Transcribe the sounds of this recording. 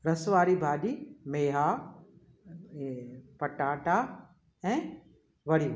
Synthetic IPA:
ɾɐsʋaːɾibʱaːɗimeːɦa | pɐʈaːʈa | ɛ̃ː | ʋɐɽi

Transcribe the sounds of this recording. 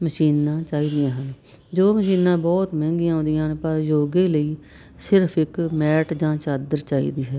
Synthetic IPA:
məʃiːnãːt͡ʃaːiːd̪ɪjãːɦən | d͡ʒoːməʃiːnãːbɔːt̪mɛ̃ːŋɡijãːɦõːnd̪ɪjãːɦənpəɾjoːɡeːləiː | sɪɾpʰɪkmɛːʈd͡ʒãːt͡ʃaːd̪əɾt͡ʃaːḭːd̪iːɦɛː

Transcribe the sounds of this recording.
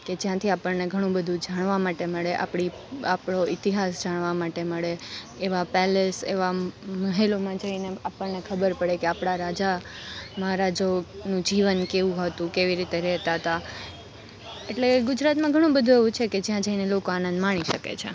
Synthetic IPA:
ked͡ʒjãt̪ʰiapəɾneɡʱəɽ̃ũbəd̪ʱũd͡ʒaɽ̃ʋamaʈeməɭeʔa̰pɽi | apɳ̃oit̪iɦasd͡ʒaɳ̃ʋamaʈeməɭeː | ʋapɛlesḛʋaməɦelomãd͡ʒəineapəɳnekʰəbəɾpəɽekeapɽ̃aɾad͡ʒa | məɦaɾad͡ʒonũd͡ʒiʋənkeʋũɦət̪ũkeʋiɾit̪eɾɛɦt̪aɦət̪a | eʈleɡʊd͡ʒɾat̪mãɡʱəɽ̃ũbəd̪ʱũeʋũt͡ʃʰeked͡ʒjãd͡ʒəinelokoanənd̪maɽ̃iʃəkḛt͡ʃʰḛ

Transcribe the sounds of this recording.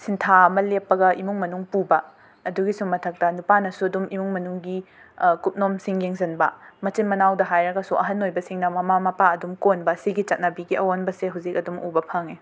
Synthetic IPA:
sintʰaɐmɐlepːɐɡɐimuŋmɐnuŋpubɐ | ɐduɡisumːɐtʰɐk̚tɐnupanɐsuɐdumimuŋmɐnuŋɡi | kup̚nomsiŋjeŋzɐnbɐmɐt͡ʃinmɐnawdɐɦajɾɐɡɐsuʔɐɦɐnojbɐsiŋnɐmɐmamɐpaɐdumkonbɐːsiɡit͡ʃɐt̚nabiɡiɐwonbɐseɦuzik̚ɐdumubɐpʰaŋi

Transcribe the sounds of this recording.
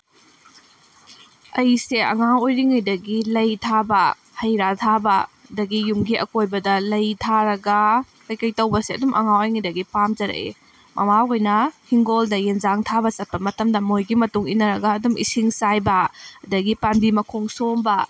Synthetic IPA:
ɐjseɐ̰ŋawojɾiŋɐjdɐɡilɐjtʰabɐ | hɐjɾatʰabɐɐdɐɡijumɡiʔɐ̰kojbɐdɐlɐjtʰaɾɐɡɐ | kɐjkɐjtɐwbɐseɐdumʔɐ̰ŋawojŋɐjdɐɡipamd͡ʒɐɾɐ̰ʔḛ | mʔɐ̰mawojnɐhiŋɡoldɐjenzaŋtʰabɐt͡ʃɐt̚pɐmɐtɐmdɐmojɡimɐtuŋinɐɾɐɡɐːdumʔḭsiŋsajbɐɐdɐɡipambimɐkʰoŋsombɐ

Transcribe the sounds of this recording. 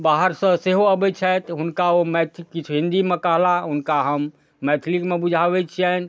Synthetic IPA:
baɦəɾsə̃seɦoəbɛt͡ʃʰɛt̪ɦunkaomɛt̪ʰikːit͡ʃʰuɦĩnd̪imekəɦlaɦunkaɦəmː | ɛt̪ʰlikmebud͡ʒʱabɛt͡ʃʰiɛn̆

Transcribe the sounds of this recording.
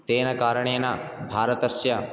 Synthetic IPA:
t̪eːnɐkaːɾɐɳ̃eːnɐ | bʱaːɾɐt̪ɐsjɐ

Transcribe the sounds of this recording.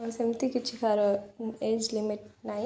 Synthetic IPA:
semt̪ikit͡ʃʰːikʰaːɾoeːd͡ʒlimiʈ̚naj

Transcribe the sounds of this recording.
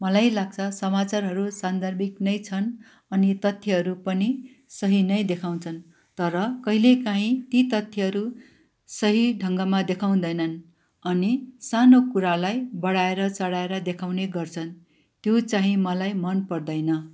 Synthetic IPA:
mʌlajlaɡ̚t͡sʰʌsʌmat͡sarɦʌɾusand̪ʱʌrbiknʌjt͡sʰʌn | ʌnit̪ʌt̪ʰjʌɦʌɾupʌni | sʌɦinʌjd̪ekʰaw̃t͡sʰʌn | t̪ʌɾʌkʌɦilekãɦĩt̪it̪ʌt̪ʰjʌɦʌɾu | sʌɦiɖʱʌŋɡʌmad̪ekʰaw̃d̪ʌjnʌn | ʌnisanokuɾalajbʌɽaeɾʌt͡sʌɽaeɾʌd̪ekʰawneɡʌrt͡sʰʌn | t̪jot͡sãɦĩmʌlajmʌnpʌrd̪ʌjnʌ

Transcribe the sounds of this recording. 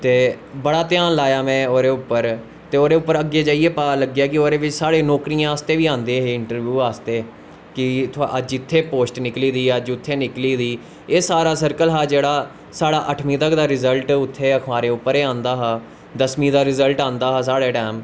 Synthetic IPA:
t̪eː | bəɽaːt̪ɪjaːnlaːjaːmɛ̃ːoːɾeːʊpːəɾ | t̪eːoːɾeːʊpːəɾəɡːeːd͡ʒaːieːpaːləɡːjaːkɪoːɾeːʋɪt͡ʃsaːɽeːnɔːkɾijãːəst̪eːʋiːãːnd̪ẽːɦeːɪɳʈəɾʋjuːaːst̪eː | kɪt̪ʰəd͡ʒɪt̪ʰːeːpoːsʈnɪkliːd̪iːəd͡ʒʊt̪ʰːeːnɪkliːd̪iː | eːsaːɾaːsəɾkəlɦaːd͡ʒeːɽaː | saːɽaːʔəʈʰmĩːt̪əkd̪aːɾɪzəlʈʊt̪ʰːeːəkʰmaːɾeːʊpːəɾeːãːnd̪aːɦaː | d̪əsmiːd̪aːɾɪzəlʈãːnd̪aːɦaːs̬aːɽeːʈɛːm

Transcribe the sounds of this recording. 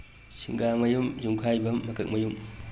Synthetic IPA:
sʰiŋɡamɐjumzuŋkʰajbɐːɐkɯk̚mɐjum

